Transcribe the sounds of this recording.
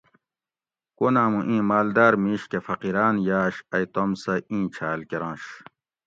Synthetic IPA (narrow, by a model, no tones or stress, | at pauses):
konãːmũʔĩːmaːld̪aːɾmĩːɕkefɐqiɾaːnjaːɕɐjt̪omsɐʔĩːt͡ɕʰaːlkeɾãːɕ